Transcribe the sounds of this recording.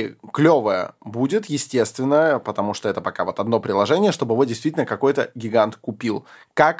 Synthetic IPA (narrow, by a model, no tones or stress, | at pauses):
klʲo̞vəjə̰budʲɪt̪jɪsʲtʲe̞st̪vʲɪnːəpət̪ɐmuʂt̪oɛt̪əpɐkavo̞t̪ɐd̪no̞pɾʲɪlˠɐʐɛnʲɪjəʂt̪o̞bɨjɪvo̞dʲɪst̪ʲitʲɪlʲnːəkɐko̞jt̪əɡʲɪɡant̪kʊpʲilˠkak